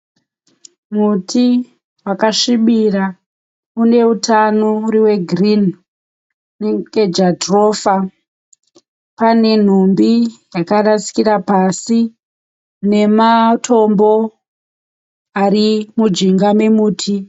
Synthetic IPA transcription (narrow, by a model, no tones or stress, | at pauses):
mutʰi | wakaʂiɓira | une̞utanoriwe̞ɡʱrin | neked͡ʒatroːfa | pane̞n̤ombijakarasi̥kiɾapasi | ne̞matʰo̞mbo̞ | aɾimud͡ʒiŋɡame̞muːtʰi